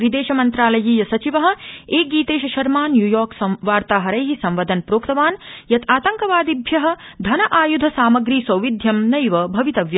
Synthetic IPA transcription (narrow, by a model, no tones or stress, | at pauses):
ɾid̪eːʃɐmɐnt̪ɾaːlɐjiːjɐsɐt͡ʃiʋɐɦɐ̆eːɡiːt̪eːʃɐʃɐɾmaːnjuːjoːɾksɐʋaːɾt̪aːɦɐɾɐjɦisɐ̃mʋɐd̪ɐnpɾoːkt̪ɐʋaːnjɐt̪ʰaːt̪ɐŋkɐʋaːd̪ibʱjɐɦɐ̆d̪ʱɐnɐʔaːjud̪ʱɐsaːmɐɡɾiːsɐwʋid̪ʱjɐmnɐjʋɐbʱɐʋit̪ɐʋjɐ